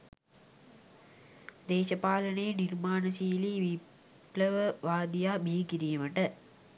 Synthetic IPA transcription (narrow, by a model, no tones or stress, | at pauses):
d̪eːʃɐpaːlənəjənirmaːnəsiːliʋi | pləʋəʋaːd̪ijaːbʱiːkiɾijəməʈə